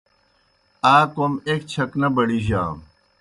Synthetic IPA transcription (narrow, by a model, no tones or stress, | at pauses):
aːkomeːkt͡ɕʰɐknɐbɐɽiʑa̰ːm